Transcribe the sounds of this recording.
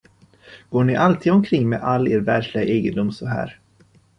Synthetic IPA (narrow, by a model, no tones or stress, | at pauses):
ɡ̥oːɳɪʔalt̪ʰiːd̪ɔmkʰɾɪŋːmeːʔalːeːɾvæɾklɪɡaʔeːɡəd̪ʊmsɔɦæ̰ːɾ